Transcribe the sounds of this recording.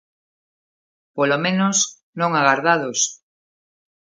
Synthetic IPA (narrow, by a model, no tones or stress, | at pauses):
polomẽnos | nõŋaɣaɾðaðos